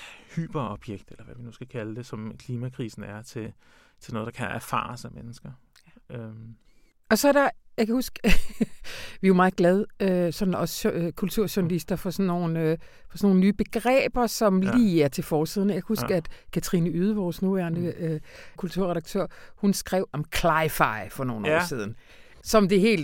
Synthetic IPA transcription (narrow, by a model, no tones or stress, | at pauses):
hy̰ːb̥ɐɒb̥jeɡ̥̚d̥elɐʋæʋinusɡ̥ækʰæləd̥e̝sɒ̽mkʰliːmækʰʁḭːsn̩æɐt͡sʰe̝ | t͡sʰe̝nɔ̽ðˠd̥ɑ̈kʰænæɐfɑ̰̈ːsæmenəsɡ̥ɐ | ø | ɒ̽sɒ̽æɐɾɑ̈jɑɪkʰæhusɡ̥ | ʋiomɑ̈ːð̩ˠɡ̥lɛð̞ˠøsɒ̽dn̩ɒ̽skʰult͡sʰuɐ̰ɕuɐnælisd̥ɐfɒ̽sɒnːo̝ːnø | fɒsɒno̝ːnənyːb̥e̝ɡ̥ʁɛ̰ːb̥ɐsɒ̽mliːæɐt͡sʰe̝lfɒːsiðˠn̩jaɪkʰæhusɡ̥æd̥kʰæt͡sʰɐʁḭnəyːð̞ˠəʋɒːsnuʋæɐnd̥əkʰult͡sʰuɐʁɛd̥ɑ̈ɡ̥̚t͡sʰøɐ̰hunsɡ̥ʁɛʊ̰ɒ̽mkʰlɑ̈ɪfɑ̈ɪfɒ̽no̝ːn̩ɒ̰ːsiːð̞ˠn̩ | sɒ̽md̥e̝ɦe̝̰ːl